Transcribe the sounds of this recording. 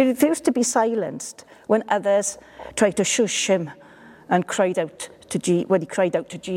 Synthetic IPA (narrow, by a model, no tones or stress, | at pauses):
ifiːz̥tʰəbisaɪlə̰̃nst | wə̃nʔʌðəz̥ | tʰɹ̥aɪd̚tʰəʃʊʃhɪ̃m | ə̃nkʰɹ̥aɪdaʊtʰː | əd͡ʒiwə̃nikʰɹ̥aɪdaʊtʰəd͡ʒiː